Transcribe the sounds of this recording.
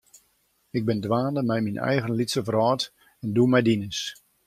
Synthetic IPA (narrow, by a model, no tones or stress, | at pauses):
ɪɡ̚bɪndʋaːnəmɛjminʔɛ̰jɣənlitsəvrɔːt | ɛnduəmɛjdinəs